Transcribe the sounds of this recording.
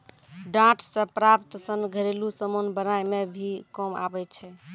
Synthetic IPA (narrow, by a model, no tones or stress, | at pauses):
ɖãʈʰsə̃pɾapt̪sənɡʱəɾelusəmonbənajmebʱikɔma̰bɛt͡ʃʰɛ